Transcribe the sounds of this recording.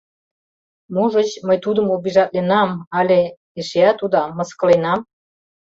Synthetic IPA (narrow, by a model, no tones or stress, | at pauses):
muʒət͡ɕməjt̪ud̪əmobiʒɑt̪̚lenɑmɑlʲe | eʃeæt̪ud̪ɑmə̆skə̆lenɑm